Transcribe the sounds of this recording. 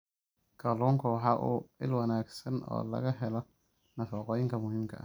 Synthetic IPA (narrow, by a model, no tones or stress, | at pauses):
kʰɐluːŋkʰʊwħɑːʔuːɪ̰lwɐnaːɡsɐnɔ̰ːlɐ̰ɣɐɦɛlɔ | nɐfɔːqɔːjɪŋkʰɐmʊɦimkʰɐ̰ʔɐ̰